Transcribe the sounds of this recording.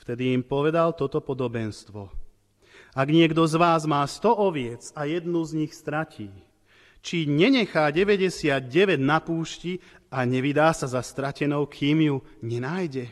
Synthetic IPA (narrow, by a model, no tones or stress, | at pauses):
ft̪ɛd̪iːmpɔʋɛd̪alt̪ɔt̪ɔpɔd̪ɔbɛnst̪ʋɔ | aɡɲɪɛɡd̪ɔzʋaːzmaːst̪ɔʔɔʋɪɛt͡sajɛd̪nuzɲixst̪ɾaciː | t͡ʃiɲɛɲɛxaːɟɛʋɛɟɛsɪad̪̚ɟɛʋɛɟnapuːʃci | aɲɛʋid̪aːsazast̪ɾacɛnɔʊkʰiːmju | ɲɛnaːjɟɛ